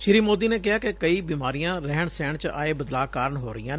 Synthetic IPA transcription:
ʃɪɾiːmoːd̪iːneːkɪɦaːkekəiːbiːmaːɾijãːɾɛːɳsɛ̃ːɳt͡ʃa̰ːeːbəd̪laːkaːɾəɳɦoːɾəijãː

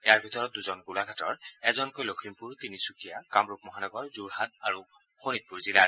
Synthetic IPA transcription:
ɛjaɹbʱit̪ɔɹɔt̪̚duzɔnɡulaɡʱatɔ̰ɹɛzɔnkojlokʰimpuɹt̪inisukijakamɹup̚mɔɦanɔɡɔɹzuɹɦataɹu | xonit̚puɹzilaɹ

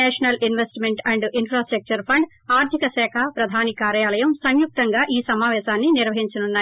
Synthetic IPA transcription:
ɛːʂɐnɐlʔinʋesʈmeɳʈɐɳɖinpʰɾaːsʈɾɐk̚t͡ʃɐɾpʰɐɳɖ | aːɾt̪ʰikɐsɛːkʰɐpɾɐd̪ʱaːnikaːɾjaːlɐjɐmsɐŋjuk̚t̪ɐŋɡaːʔiːsɐmaːʋɛːʃaːnːiniɾʋɐɦiɲt͡ʃɐnunːaːj

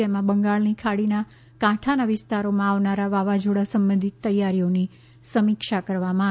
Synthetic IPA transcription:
emãbəŋɡaɭnikʰaɽina | kãʈʰanaʋɪst̪aɾomãaʋnaɾaʋaʋad͡ʒoɽasəmbənd̪ʱit̪ːəjaɾijoni | səmikʃakəɾʋamã

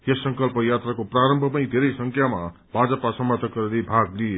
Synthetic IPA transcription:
jesːʌŋkʌlpʌjat̪rakopraɾʌmbʱʌpʌj̃d̪ʱeɾʌjsʌŋkʰjama | bʱad͡zʌpasʌmʌrt̪ʰʌkːʌɾelebʱaɡlie

